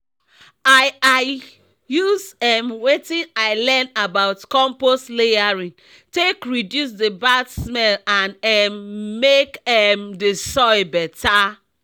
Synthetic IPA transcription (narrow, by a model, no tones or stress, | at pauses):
aɪaɪ | juzɛmwetĩnaɪlɛnabaʊtkɔ̃mpostlejaɹĩn | tekɹidjus̬debadsmɛlãnɛmːekɛmdesɔjbɛtʰa